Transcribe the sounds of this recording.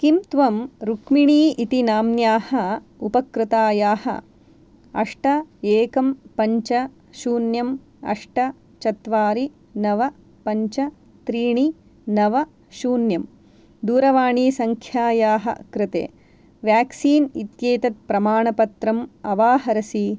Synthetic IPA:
kimt̪ʋɐmɾukmiɳiːʔit̪inaːmnjaːhɐ | upɐkɾɪt̪aːjaːhɐ̰ | ɐ̰ʂʈɐeːkɐmpɐɲt͡ʃɐ | ʃuːnjɐm | ɐ̰ʂʈɐ | t͡ʃɐt̪ʋaːɾi | nɐʋɐ | pɐɲt͡ʃɐ | t̪ɾiːɳi | nɐʋɐ | ʃuːnjɐm | d̪uːɾɐʋaːɳiːsɐŋkʰjaːjaːɦɐ̰kɾɪt̪ḛː | ʋjaːksiːnit̪jeːt̪ɐt̪̚pɾɐmaːɳɐpɐt̪ɾɐmɐʋaːɦɐɾɐsi

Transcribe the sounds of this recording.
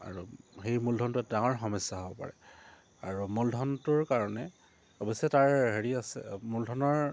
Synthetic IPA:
a̰ɹuxejmuldʱɔntʊɛtdaŋɔɹxɔmɔjsːaɦobɔpa̰ɹɛ | aɹumuldʱɔntʊɹkaɹɔnɛ | ɔbɔsɛtaɹɦeɹiasɛ̰muldʱɔnɔɹ

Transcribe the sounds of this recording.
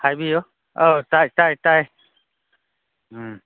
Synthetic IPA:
hajbio | ot̪ajt̪ajt̪aj

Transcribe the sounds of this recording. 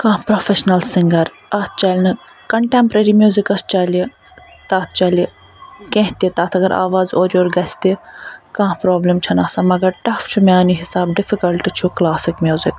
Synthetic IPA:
kãːpɾoːfeʃnɐlsɪ̃ŋɡɐɾ | ɐt̪ʰt͡ʃɐlʲnɨ | kɐɳʈeːmpɾeːɾiːmjuːzikɐst͡ʃali | t̪aːt̪ʰt͡ʃɐli | kẽɦt̪it̪aːt̪ʰɐɡɐɾʔa̰ːʋaːzoːɾioːɾɡɐsʲt̪ikãːpɾoːblemt͡ʃʰɐnɐsɐ̃mɐɡɐɾʈɐft͡ʃʰumaːniɦɪsaːbɖɪfikɐlʈt͡ʃʰuklaːsɪkmʲjuːzɪk

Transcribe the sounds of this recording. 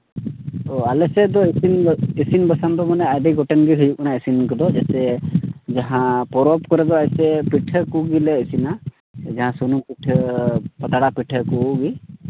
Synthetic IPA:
ɔalɛsɛd̪ɔisinisinbəsand̪ɔmanɛajd̪iɡɔʈɛnɡiɦujuk̚naisinkɔd̪ɔd͡ʒat̪ɛd͡ʒaɦãpɔɾɔpkɔɾɛd̪ɔajsɛpiʈʰəkuɡilɛisina | d͡ʒaɦãsunumpiʈʰəpət̪aɽapiʈʰəkuɡi

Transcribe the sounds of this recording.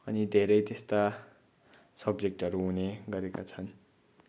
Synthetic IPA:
ʌnid̪ʱeɾʌjt̪est̪a | sʌbd͡zek̚ʈʌɾuɦuneɡʌɾekat͡sʰʌn

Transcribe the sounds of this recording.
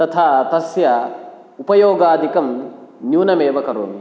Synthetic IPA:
t̪ɐt̪ʰaːt̪ɐsjɐ | upɐjoːɡaːd̪ʱikɐmnjuːnɐmeːʋɐkɐɾoːmi

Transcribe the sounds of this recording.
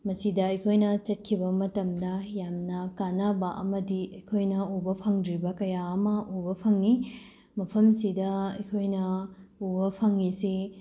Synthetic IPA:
mɐsidɐɐjkʰojnɐt͡ʃɐt̚kʰibɐmɐtɐmdɐjamnɐkanabɐʔɐ̰mɐdiɐjkʰojnɐubɐpʰɐŋdɾibɐkɐjaɐmɐʔubɐpʰɐŋi | mɐpʰɐmsidɐɐjkʰojnɐubɐpʰɐŋːise

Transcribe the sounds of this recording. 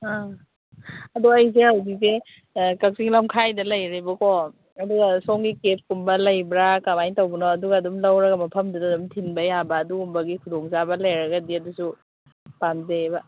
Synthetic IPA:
a | ɐduɐjs̬eawdise | kɐk̚siŋlɐmkʰajdɐlɐjɾibɐkʰɔ | ɐduɡɐsɔŋɡikep̚kumbɐlɐjbɾakamajntɐwbɐnɔɐduɡɐːdumlɐwɾɐɡɐmɐpʰɐmdudadumtʰinbɐjabɐːduɡumbɐɡikʰudɔŋsabɐlɐjɾɐɡɐdiɐdusu | panzebɐ

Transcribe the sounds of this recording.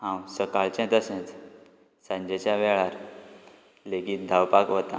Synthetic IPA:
ãwsəkaɭt͡ɕɛ̃t̪əsɛ̃t͡s | sãɲd͡ʑet͡ɕjaʋɛɭaɾ | leɡiːt̪̚d̪ʱawpakɦot̪ã̰

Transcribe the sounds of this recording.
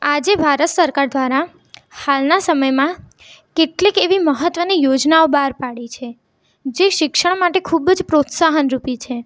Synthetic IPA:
ad͡ʒebʱaɾət̪səɾkaɾd̪ʋaɾa | halnasəməjmã | keʈlikeʋiməɦət̪ʋənijod͡ʒnaobaɾpaɽit͡ʃʰe | d͡ʒeʃɪkʃəɳ̃maʈekʰubd͡ʒpɾot̪saɦənɾupit͡ʃʰe

